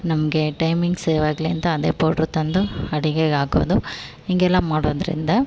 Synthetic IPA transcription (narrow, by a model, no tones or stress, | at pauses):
nɐmɐɡeʈɐjmiŋɡseːʋaːɡliɐnt̪ɐːd̪eːpoːʈɐɾut̪ɐnd̪uɐɽiɡeːaːɡo̰ːd̪u | iŋɡɛlːaːmaːɽoːd̪ɐɾḭnd̪ɐ